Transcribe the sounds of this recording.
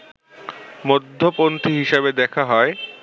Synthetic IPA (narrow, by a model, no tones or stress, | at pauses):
mod̪ʱːopont̪iɦiʃabed̪ɛkʰaɦɔe